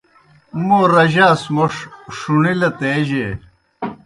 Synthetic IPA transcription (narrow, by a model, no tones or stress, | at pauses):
moːɾɐʑaːsmoʂʂuɳilɐt̪eːʑe